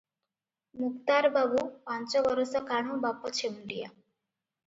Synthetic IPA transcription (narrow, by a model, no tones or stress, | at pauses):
muk̚t̪aɾbabupant͡ʃɔbɔɾɔsɔkaɽ̃õbapɔt͡ʃʰemuɖija̰